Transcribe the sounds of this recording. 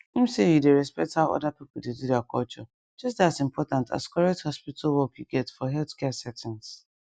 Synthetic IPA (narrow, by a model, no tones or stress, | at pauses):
ĩm̩sejudeɹɛspɛk̚thaʊɔ̰dapipʊl̩dedudɛakʰɔlt͡ʃɔ | d͡ʒʌs̬tdatĩmpʰɔtãntʰa̰skʰɔɹɛk̚thɔspitʰalwɔkjuɡɛtfɔɦɛlθkɛsɛtĩns